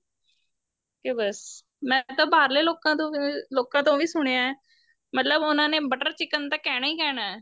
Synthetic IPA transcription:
kebəs | mɛ̃ːt̪ãːbaːɾleːloːkãːt̪õːloːkãːt̪õːʋiːsʊɳ̃eːãːɛː | mət̪ləbʊnãːneːbəʈəɾt͡ʃɪkənt̪ãːkɛːɽaːiːkɛːɽaːɛː

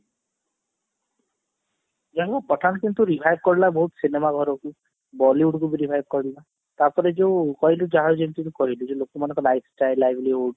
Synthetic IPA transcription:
d͡ʒaɦkupɔʈʰanɔkint̪uɾibʱajbkɔɾilabɔɦut̪sinemaɡʱɔɾɔku | bɔliuɽkubiɾibʱajb̚kɔɾila | t̪aɾpɔɾed͡ʒewkɔɦilud͡ʒaɦad͡ʒent̪it̪ukɔɦilud͡ʒelokɔmanɔkɔlajpʰsʈajlːajbʱlioɖ

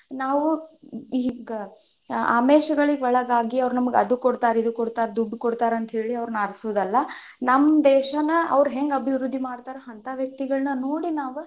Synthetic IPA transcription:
naːʋuiɡɐ | a̰ːmeːʃɐɡɐɭiɡɔɭɐɡaːɡiɐʋɾunɐmɐɡɐd̪ukoɽt̪aːɾid̪ukoɽt̪aːɾd̪uɖːkoɽt̪aːɾɐnt̪ɐɦeːɭiɐʋɾunɐɐɾsuʋud̪ɐlːɐ | nɐmːd̪ɛːʃɐnɐɐ̰ʋɾuɦeŋɡɐbʱiʋɾud̪ʱːimaːɽt̪aːɾɐɦɐnt̪aʋjɐk̚t̪iɡɐɭɐnɐnoːɽinaːʋu

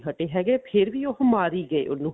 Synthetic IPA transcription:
ɦəʈeːɦɛːɡeːpʰɪɾʋiːʊɦmaːɾiːɡəḛːʔʊnːũː

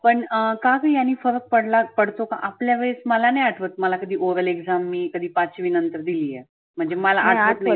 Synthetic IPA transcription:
pəɳəkakaijanːiːfəɾək̚pəɽlapəɽt̪oka̰ʔapljaʋəɭesməlanajaʈʰʋət̪̚məlakəd̪ʱiːʔoɾəleɡzamːiːkəd̪ʱiːpat͡ɕʋiːnənt̪əɾd̪iliːjɛ | m̤əɳd͡zeməlaʔːʈʋət̪ə

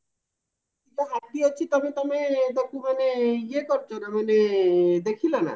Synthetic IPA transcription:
k̪iʈaɦat̚d̪ijat͡ɕʰit̪ɔmit̪ɔmed̪okumaneiekɔɾd͡ʑoɾamaned̪ekʰilona̰

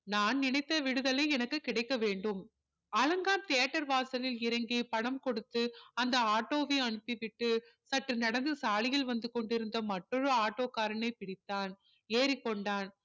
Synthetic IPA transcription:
naːnnɪnɐɪt̪ːɐʋɪɽɯðɐlɐɪɛnɐkːɯkːɪɽɐɪkːɐʋeːɳɖɯm | ɐlɐŋɡaːmt̪ejɐʈːɐɾʋaːsɐlɪlɪɾɐŋɡipɐɽɐmkɔɽɯt̪ːɯɐnd̪ɐaːʈːoːʋiːɐɳɯpːiʋɪʈːɯ | sɐʈrɯnɐɽɐnd̪ɯsaːlɪjɪlʋɐnd̪ɯkɔɳɖɪɾɯnd̪ɐmɐʈːɔɾɯaːʈːoːkaːɾɐnɐɪpɪɽɪt̪ːaːn | eːɾikːɔɳɖaːn

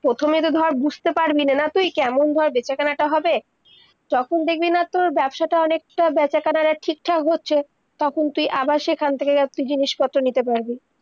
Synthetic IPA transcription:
pɾot̪ʰomet̪od̪ʱɔɾbud͡ʑʱt̪epaɾbinanat̪ujkɛmond̪ʱɔɾbɛt͡ɕakanaʈaɦɔbe | d͡ʑɔkʰond̪ek̚ʰbinat̪oɾbɛbʃaʈaɔnek̚ʈabɛt͡ɕakanaʈaʈʰik̚ʈʰakɦotːɕʰe | t̪ɔkʰont̪ujʔabaʃekʰant̪ʰekekat̪ujd͡ʑiniʃpɔt̪ːɾonit̪epaɾbi

